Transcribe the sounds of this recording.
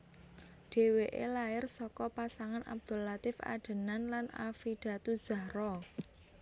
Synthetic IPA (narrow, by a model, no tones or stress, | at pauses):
ɖ̥e̤weʔḛlaɪrsɔkɔpasaŋanʔa̰b̚d̪̥o̤lat̪ɪfa̰ɖ̥ə̤nanlana̰fiɖ̪̥a̤t̪u̥z̥a̤ɾɔ